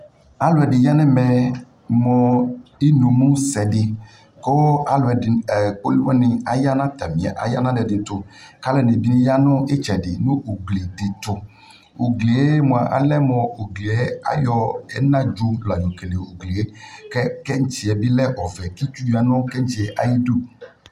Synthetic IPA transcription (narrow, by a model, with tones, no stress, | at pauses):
a˦lʊ˨ɛ˨dɪ˨ja˦nɛ̃˦mɛ˨ | mɔ˨i˦nu˨mũ˦sɛ˨dɪ˨ | ko˦a˦lʊ˨ɛ˨dɪ˨k͡po˦li˦wɔ˦nɪ̃˨a˨ja˦nã˦t̪a˨mĩ˨a̰˨ʔa̰˨ja̰˦nã˦dɛ˨dɪ˨t̪ʊ˨ka˦lɛ˨nɪ̃˨dɪ˨nɪ̃˦ja˦nʊ̃˦e˦t͡ʃɛ˨dɪ˨nʊ̃˦ʔo˨ɡli˨d̪ɪ˨t̪ʊ˨ | o˨ɡle˨e˦mõ˨a˨ʔa̰˨lɛ˦mɔ̃˨o˨ɡli˨e˦a̰˦jɔ˦ɛ̰˦nã˦d͡ʒu˦la˨jɔ˨ke˨le˨o˨ɡli˨e˦kɛ˦kɛ˦ŋ̩˦t͡ʃi˨ɛ˨bɪ˦lɛ˦ʔɔ˨vɛ˨ki˦t͡ʃu˦ja˨nʊ̃˦kɛ˦ɲ̩˦t͡ʃi˨ɛ˨ʔa˨ji˦du˦